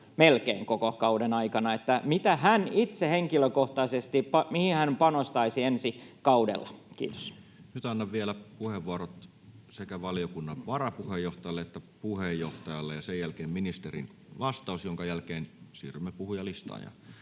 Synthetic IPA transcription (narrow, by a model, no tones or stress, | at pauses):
melkḛːŋkokokɑudenɑikɑnɑet̪ːæmit̪æhænit̪seheŋkiløkoht̪ɑisest̪ipɑmihihænpɑnost̪ɑisiensikɑudḛlːɑ̰kḭːt̪o̥snyt̪ɑnːɑʋʋielæpuheʋʋuɑrot̪ | sekæʋɑlijokunːɑʋʋɑrɑpuhejːoht̪ɑjɑlːeet̪ːæpuhejoht̪ɑjɑlːḛjɑsejjælkeːmminist̪erḭn | ʋɑst̪ɑˑusjoŋkɑjælkeːnsḭːrymːepuhujɑlist̪ɑ̰ːjɑ̰